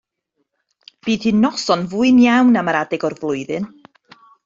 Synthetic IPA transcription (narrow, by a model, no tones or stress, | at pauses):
b̥iːð̥hinɔsɔnvuɨnjawnamaɾadɛɡɔrvlˠʊɨðɨn